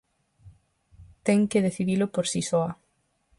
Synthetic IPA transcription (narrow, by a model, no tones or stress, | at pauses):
t̪ɛŋkeðeθiðilʊpoɾsisɔa